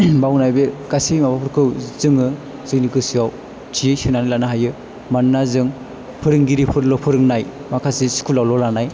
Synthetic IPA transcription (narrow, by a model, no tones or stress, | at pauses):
bawnajbeɡasimabapʰɯɾkʰɯwzɯŋɯ | zɯknikɯsiaw | tʰisɯnanalanaɦajɯ | manːazɯŋ | pʰɯɾɯŋɡiɾipʰɯɾlɔpʰɯɾɯŋnaj | makʰasisi̥kʰulawlɔlanaj